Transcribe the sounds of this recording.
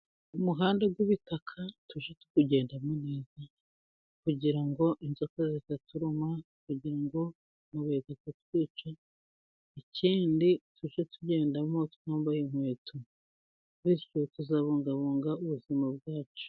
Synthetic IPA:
umuɦaːndeɡwiβitakʰatuʃetu̥kuɟe̞ːndamoneːza | kuɟiɾaŋɡo̞ʔinzokazitatuɾuma | kuɟiɾaŋɡo̞ | muβetakatwiːt͡ʃa | icʰiːndituʃetuɟe̞ːndamo̞tu̥kuːmbajimwe̞ːtʰu | wiɾcotuzaːβuːŋɡaβuːŋɡauβuzimab̚ɡaːt͡ʃo̥

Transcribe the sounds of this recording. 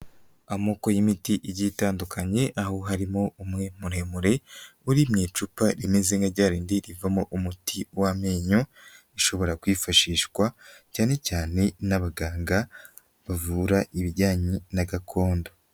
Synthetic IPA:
amo̞ko̞jimitiʔiɟitaːndukʰaɲe̞ʔahoɦaɾimo̞umŋe̞muɾe̞muɾe̞uɾimɲeːt͡ʃupaɾimeze̞ŋɡaɾɟaːɾiːndiɾivamoʔumutʰiwameːɲo | iʃo̞βo̞ɾakwiːfaʃiːʃkwacaːne̞caːne̞naβaɡaːŋɡa | βavuːɾaʔiβiɟaːɲinaɡakʰo̞ːndo

